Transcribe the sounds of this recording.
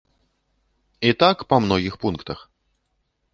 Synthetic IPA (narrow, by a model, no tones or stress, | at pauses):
it̪akpɐmnɔɣʲixpunkt̪ɐx